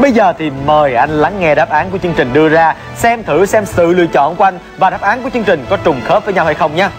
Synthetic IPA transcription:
ɓə˧jzəː˨˩t̪ʰi˨˩məː˨˩jʔa˧jŋ̟la˨˦ŋːɛ˧ɗaː˦˥p̚ʔaː˨˦nku˧˩ət͡ɕɨ˧əŋt͡ɕï˨˩ŋ̟ɗɨ˧əzaː˧ | sɛ˧mt̪ʰɨ˧˩sɛ˧msɨ̰˧˨lḭ˧˨ət͡ɕɔ̰˧˨nku˧˩˧ʔa˧jŋ̟vaː˨˩ɗaː˦˥p̚ʔaː˨˦nku˧˩t͡ɕɨ˧ŋt͡ɕï˨˩ŋ̟kɔ˨˦t͡ɕʊ˨˩ŋ͡mxə˦˥t̚vəː˨˦jɲa˧wha˧jxə˧wŋ͡mɲaː˧

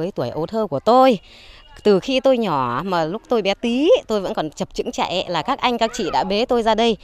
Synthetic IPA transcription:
əː˨˦jt̪u˧˩əjʔo˧t̪ʰəː˧ku˧˩ət̪o˧j | t̪ɨ˨˩xi˧t̪o˧jɲɔ˧˩maː˨˩lʊ˦˥k͡p̚t̪o˧jɓɛ˨˦t̪i˨˦t̪o˧jvə̰˧˥nkɔ˨˩nt͡ɕə˨˩p̚t͡ɕɨ̰˧˥ŋt͡ɕa̰˧˨ʔlaː˨˩kaː˦˥k̚ʔa˧jŋ̟kaː˦˥k̚t͡ɕḭ˧˨ɗa̰ː˧˥ɓe˨˦t̪o˧jzaː˧ɗə˧j

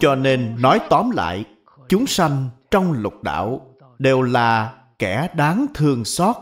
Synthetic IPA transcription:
t͡ɕɔ˧ne˧nːɔ˨˦jt̪ɔ˨˦mla̰ː˧˨j | t͡ɕʊ˨˦ŋ͡msa˧jŋ̟t͡ɕɔ˧wŋ͡mlʊ˨˩t̚ɗa̰ː˧˨w | ɗe˨˩wlaː˨˩ | kɛ˧˩ɗaː˨˦ŋt̪ʰɨ˨˩əŋsɔ˦˥t̚

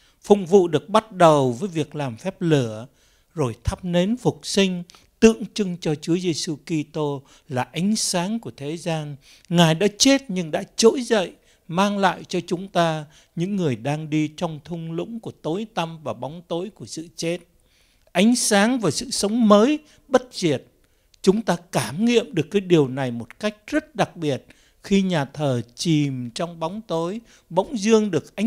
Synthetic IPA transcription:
fʊ̰˧˨ŋ͡mvṵ˧˨ɗɨ˨˩ək̚ɓa˦˥t̚ɗə˨˩wvəː˨˦jvi˨˩ək̚laː˨˩mfɛ˦˥p̚lɨ˧˩ə | zo˨˩jt̪ʰə˦˥p̚ne˨˦nfʊ˨˩k͡p̚sï˧ŋ̟ | t̪ɨ̰˧˨əŋt͡ɕɨ˧ŋt͡ɕɔ˧t͡ɕu˨˦əze˧su˧ki˧t̪o˧ | laː˨˩ʔa˨˦jŋ̟saː˨˦ŋku˧˩ət̪ʰe˨˦zaː˧n | ŋaː˨˩jɗa̰ː˧˥t͡ɕe˦˥t̚ɲɨ˧ŋɗa̰ː˧˥t͡ɕo̰˧˥jzə̰˧˨j | maː˧ŋla̰ː˧˨jt͡ɕɔ˧t͡ɕʊ˨˦ŋ͡mt̪aː˧ | ɲɨ̰˧˥ŋːɨ˨˩əjɗaː˧ŋɗi˧t͡ɕɔ˧wŋ͡mt̪ʰʊ˧ŋ͡mlɨ̰˧˥ŋ͡mku˧˩ət̪o˨˦jt̪a˧mvaː˨˩ɓa˨˦wŋ͡mt̪o˨˦jku˧˩əsɨ̰˧˨t͡ɕe˦˥t̚ | ʔa˨˦jŋ̟saː˨˦ŋvaː˨˩sɨ̰˧˨sə˨˦wŋ͡mməː˨˦j | ɓə˦˥t̚zi˨˩ət̚ | t͡ɕʊ˨˦ŋ͡mt̪aː˧kaː˧˩mŋḭ˧˨əmɗɨ˨˩əkːaː˨˦jɗi˨˩əwna˨˩jmo˨˩t̚ka˦˥jk̚zə˦˥t̚ɗa˨˩k̚ɓi˨˩ət̚ | xi˧ɲaː˨˩t̪ʰəː˨˩t͡ɕi˨˩mt͡ɕɔ˧wŋ͡mɓa˨˦wŋ͡mt̪o˨˦j | ɓə̰˧˦wŋ͡mzɨ˧əŋɗɨ˨˩ək̚ʔa˨˦

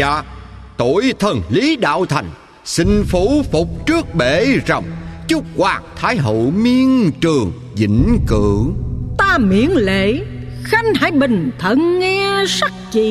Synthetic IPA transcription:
aː˧˩t̪o˧˨jt̪ʰə˨˩nli˨˦ɗa̰ː˧˨wt̪ʰa˨˩jŋ̟ | sï˧ŋ̟fu˧˥fʊ˨˩k͡p̚t͡ɕɨ˦˥ək̚ɓe˧˩zə˨˩wŋ͡mt͡ɕu˦˥k͡p̚kwaː˨˩k̚t̪ʰaː˨˦jɦo̰˧˨mi˧ənt͡ɕɨ˨˩əŋ | zḭ˧˥ŋ̟kɨ̰˧˩˨t̪aː˧mḭ˧˨ənlḛ˧˨xa˧ŋhaː˧˩˦jɓï˨˩ŋ̟t̪ʰə˧˨nːɛ˧sa˦˥k̚t͡ɕi˧˨

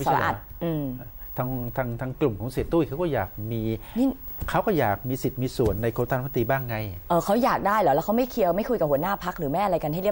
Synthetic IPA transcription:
sa˨˦a˧ʔa̰˨˩t̪̚ʔɯː˧t̪ʰa˧ŋt̪ʰaː˧ŋt̪ʰaː˧ŋklu˨˩mkʰɔː˨˩˦ŋseː˨˩t̪ːuː˥˩kʰa˦˥wkɔː˥˩jaː˨˩k̚miː˧niː˥˩kʰa˦˥wkɔː˥˩jaː˨˩k̚miː˧si˨˩t̪̚miː˧su˨˩ənːa˧jkʰoː˧˦t̪aː˧n˦˥˩t̪iː˧˩baː˥˩ŋːa˧jʔɤː˧˩kʰa˦˥wjaː˨˩k̚daː˥˩jlɔː˨˦˥lɛ˦˥ka˦˥wma˥˩jkʰi˧əwma˥˩jkʰu˧jka˨˩phu˩˦ə˦naː˥˩pʰa˦˥k̚ɾɯː˨˩˦maɛ˥˩ʔa˧a˧jka˧nɦa˥˩jɾi˥˩˨

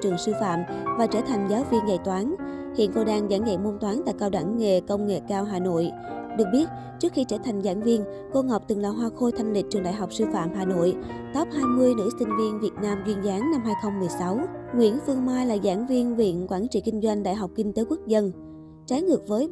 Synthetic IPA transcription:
t͡ɕɨ˨˩əŋsɨ˧fa̰ː˧˨mvaː˨˩t͡ɕəː˧˩t̪ʰa˨˩jŋ̟zaː˨˦wvi˧ənza˧˩jt̪waː˨˦nhḭ˧˨ənko˧ɗaː˧ŋza̰˧˩ŋza̰˧˨jŋmo˧nt̪waː˨˦nt̪a̰ː˧˨jkaː˧wɗa˧˩ŋːḛ˧˨kə˧wŋ͡mŋḛ˧˨kaː˧wɦaː˨˩no̰˧˨j | ɗɨ˨˩ək̚ɓi˦˥ət̚ | t͡ɕɨ˦˥ək̚xi˧t͡ɕəː˧˩t̪ʰa˨˩jŋzaː˧˩nvi˧ən | ko˧ŋɔ˨˩wk͡p̚t̪ɨ˨˩ŋlaː˨˩ɦwaː˧xo˧jt̪ʰa˧jŋlï˨˩k̟̚t͡ɕɨ˨˩ŋɗa̰ː˧˨jɦa˨˩wk͡p̚sɨ˧fa̰ː˧˨mɦaː˨˩no̰˧˨j | t̪ɔ˦˥p̚haː˧jmɨ˧əjnɨ̰˧˥sï˧ŋ̟vi˧ənvi˨˩ət̚naː˧mzwi˧ənzaː˨˦nna˧mɦaː˧jxə˧wŋ͡mmːɨ˨˩əjsa˨˦wŋwḭ˧˥ənfɨ˧əŋmaː˧jlaː˨˩zaː˧˩nvi˧ənvḭ˧˨ənkwaː˧˩nt͡ɕḭ˧˨kï˧ŋ̟zwa˧jŋ̟ɗa̰ː˧˨jɦa˨˩k͡p̚kï˧ŋ̟t̪e˨˦kwu˦˥ək̚zə˧n | t͡ɕaː˨˦jŋɨ˨˩ək̚vəː˨˦j

